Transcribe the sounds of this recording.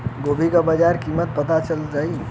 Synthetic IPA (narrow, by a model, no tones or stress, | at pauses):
ɡoːbʱikabəd͡ʒaːɾkiːmət̪̚pɐt̪at͡ʃəlɾai